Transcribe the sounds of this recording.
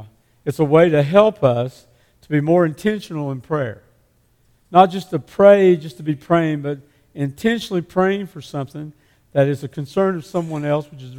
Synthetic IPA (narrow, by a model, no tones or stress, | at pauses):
ɨtsəweɪɾɨɦɛlˠpʰʌs | tʰəbimɔɹɨ̃ntʰɛ̃nʃnl̩ˠə̃npʰɹ̥ɛɹ | nət̚d̥ʒ̥ʌstʰɨpʰɹ̥eɪd͡ʒʌstʰəbipʰɹ̥eɪɪ̃ŋbʌɾ | ɨ̃ntʰɛ̃nʃn̩l̩ˠipʰɹ̥eɪɪ̃ŋfə˞sʌ̃mθɪ̃ŋ | ðɨɾɨtzɨkʰɨ̃nsɜ̃˞nʌv̥sʌ̃mwʌ̃nɛlˠswɨt͡ʃɨz